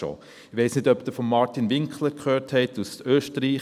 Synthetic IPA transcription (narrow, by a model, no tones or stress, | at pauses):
o̰ | ɪʋɛɪsnɪdœpd̪əfɔmːɑɾtinʋɪŋkχləɾkʰχøːɾthɛɪtusøːʃtəɾiː